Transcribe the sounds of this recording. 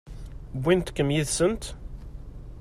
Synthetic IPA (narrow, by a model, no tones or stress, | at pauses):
bʷːint̪kːəmjiðsənt̪